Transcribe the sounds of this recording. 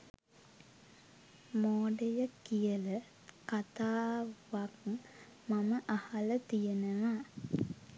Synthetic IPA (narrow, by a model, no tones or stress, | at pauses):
moːɖejəkijələ | kat̪aːʋak | maməʔahalət̪ijənəʋa